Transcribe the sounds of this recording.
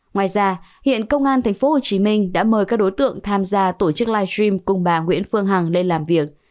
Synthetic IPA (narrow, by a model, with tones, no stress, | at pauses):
ŋwaː˨˩jzaː˧hḭ˧˨ənkə˧wŋ͡mʔaː˧nt̪ʰa˨˩ŋ̟fo˨˦ho˨˩t͡ɕi˨˦mï˧ŋ̟ɗa̰ː˧˥məː˨˩jkaː˦˥k̚ɗo˨˦jt̪ɨ̰˧˨əŋt̪ʰaː˧mzaː˧t̪o˧˩t͡ɕɨ˦˥k̚laː˧jtɹi˧mkʊ˨˩ŋ͡mɓaː˨˩ŋwḭ˧˥ənfɨ˧əŋɦa˨˩ŋle˧nlaː˨˩mvi˨˩ək̚